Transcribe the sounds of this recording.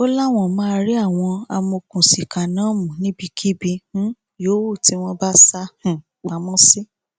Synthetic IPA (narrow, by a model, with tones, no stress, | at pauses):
o˦la˦w̃ɔ̃˦˨mã˦˧ɾi˦a˦˨w̃ɔ̃˧a˧mo˧kũ˨si˨ka˨nãː˨˦mũ˨nĩ˦bi˧kʰi˦bĩ˧˦ | jo˨˦wo˦˨ti˨˦w̃ɔ̃˦ba˦sa˦h | k͡pa˨˦mɔ̃˦si˦